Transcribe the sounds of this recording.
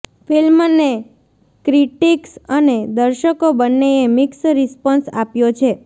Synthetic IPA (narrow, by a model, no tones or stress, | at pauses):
fʰilmne | kɾiʈiksəned̪əɾʃəkobənːeemɪksɾɪspɔnsa̰pjot͡ʃʰe